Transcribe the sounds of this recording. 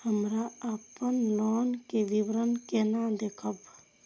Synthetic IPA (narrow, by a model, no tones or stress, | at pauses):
həmɾaəpənlonkeʋibɾənkenad̪ekʰəb